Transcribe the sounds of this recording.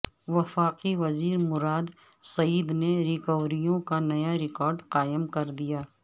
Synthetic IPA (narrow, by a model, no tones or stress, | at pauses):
ʋɐfaːqiʋɐziːɾmʊɾaːd̪ | sɐiːd̪neɾɪkəʋɾijõkanɐjaɾɪkɔːɾɖqaːɪmkɐɾd̪ijaː